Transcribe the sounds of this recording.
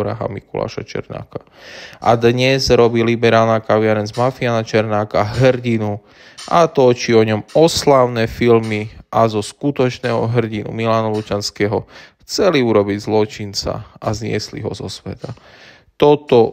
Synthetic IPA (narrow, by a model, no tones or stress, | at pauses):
ɾa̰ɦa̰mḭkula̰ːʃa̰t͡ʃɛ̰ɾna̰ːka | ʔa̰d̪ɲɛzɾɔbiːlibɛɾaːlnakaʋɪaɾɛnzmafianat͡ʃɛɾnaːkaɦr̩ɟinu | ʔat̪ɔt͡ʃiɔɲɔmɔslaʊnɛːfilmiʔazɔskut̪ɔt͡ʃnɛːɦɔɦr̩ɟinṵmilaːnɔlut͡ʃanskɛːɦɔxt͡sɛliuɾɔbiɟzlɔt͡ʃint͡sa̰azɲɪɛ̰slḭɦɔzɔsʋɛt̪a | t̪ɔt̪ɔ